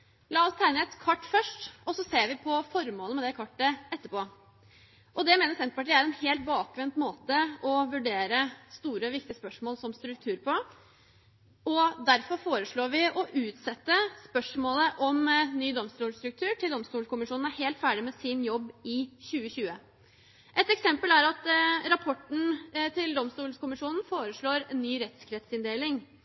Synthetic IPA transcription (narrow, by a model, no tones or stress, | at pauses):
lɑːɔst̪ʰæɪnəɛt̪kʰɑʈːfœʂʈɔsːɔseːɾʋɪpʰɔfɔɾmoːləmɛd̪ɛkʰɑʈːəʔɛt̪ːəpoː | ʔɔd̪ɛmeːnəɾsɛnt̪pɑʈ̬ʰiːæɾɛnheːlt̪̚bɑːkʋɛnt̪moːt̪əɔʋʉɖeːɾəst̪uːɾəʋɪkt̪ɪəspœʂmoːlsɔmst̪ɾʉk̚t̪ʰʉːɾpʰɔ | ɔd̪æɾfɔɾfoːɾəʂɭoːʋɪʔɔʔʉːt̪sɛt̪ːəspœʂmoːləʔɔmnyːd̪ɔmst̪uːlst̪ɾʉk̚t̪ʰʉːʈʰɪld̪ɔmst̪uːlkʊmɪʂuːnn̩æɾheːlt̪fæːɖɪmɛsɪnjɔbːɪçʉːəçʉːə | ʔɛt̪ɛksɛmpəlæɾɑt̪ɾɑpʰɔʈːn̩t̪ʰɪld̪ɔmst̪uːlskʊmɪʂuːnn̩foːɾəʂɭoːɾnːyːɾɛt̪skʰɾɛt̪sɪnd̪eːlɪŋ